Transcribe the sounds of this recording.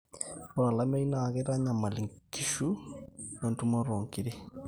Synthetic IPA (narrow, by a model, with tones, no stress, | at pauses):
po˨ɾa˨la˦me˦i˦na˨ɣe˦ɾa˦ɲa˨ma˨li˨ŋki˨ʃu˦e˨ntu˦ma˦ɾo˨ŋkiɾe˦